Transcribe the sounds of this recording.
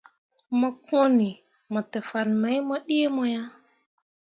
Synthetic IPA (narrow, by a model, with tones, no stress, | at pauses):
ma˦ko˦ni˨ | mo˨te˨fa˨nma˨˦jmo˦ɗi˦mo˦ja˦